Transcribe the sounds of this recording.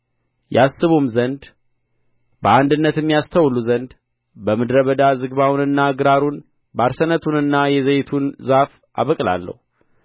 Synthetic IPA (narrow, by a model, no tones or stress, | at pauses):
jɛasːɨβumzənd̪ | bəand̪ɨnːət̪ɛmːijast̪ʰəwluzənd̪ | bəmɨd̪ɾəβəd̪azɨɡβawnɨnːaɡɨɾaɾun | baɾsənət̪ʰunɨnːajɛzejt̪ʰunzaf | ʔa̰βəkʼla̰lːə̰hu